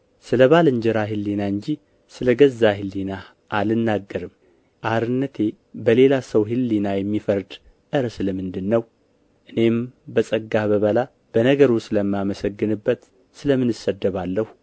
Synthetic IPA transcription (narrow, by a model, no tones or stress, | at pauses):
sɨləβalɨɲd͡ʒɛɾaɦɨlːinaɨɲd͡ʒi | sɨləɡəzːaɦɨlːina | ʔalɨnːaɡːəɾɨm | ʔaɾɨnːət̪ʰe̞ | bəle̞lasəwɦɨlːinajɛmːifəɾd̪ | ʔɨɾsɨləmɨnd̪ɨnːəw | ʔɨne̞mbəsʼəɡːaβəβəla | b̥ənəɡəɾusɨləmːaməsəɡːɨnɨbːət̪ | sɨləmɨnɨsəd̪ːəβalːəhu